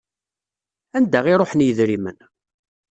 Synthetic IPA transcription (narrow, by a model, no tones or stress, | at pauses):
ænd̪æʁiɾˤoħənjəðɾimən